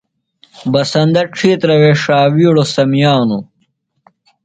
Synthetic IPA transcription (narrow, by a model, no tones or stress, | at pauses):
bɐsɐnd̪ɐʈ͡ʂʰiːt̪ɾɐweːʂaːwiːɽosɐmijaːnu